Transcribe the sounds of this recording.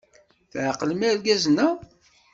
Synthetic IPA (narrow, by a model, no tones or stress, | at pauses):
θʕqːəlmælɡæzənːæ